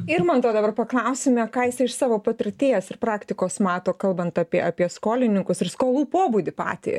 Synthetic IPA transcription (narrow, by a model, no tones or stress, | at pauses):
ɪɾmɐnt̪oːd̪ɐbɐrpɐklˠɐʊsʲɪmʲɛkɑːjɪsʲɛɪʃsɑːʋoːpɐt̪ʲɪrʲt̪ʲeːjɛsɪrpɾɑːkt̪ʲɪkoːsmɑːt̪oːkɐlˠbɐnt̪ɑpʲiɛʔɐpʲiɛskoːlʲɪnʲɪŋkʊsɪɾskoːlˠuːpoːbuːd̪ʲɪpɑ̰ːt̪ʲḛ